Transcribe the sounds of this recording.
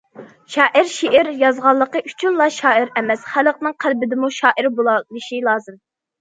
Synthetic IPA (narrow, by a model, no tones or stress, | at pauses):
ʃɑːʔɨɾʃiʔɪɾjɑzʁɑlˠːəqəʔy̥t͡ʃʰynlˠɑʃɑːɨɾɛmɛsχæləq̚nɨŋqʰælbɪd̪ɪmuʃɑːʔɨɾbolˠɑlˠɨʃilˠɑːzɨm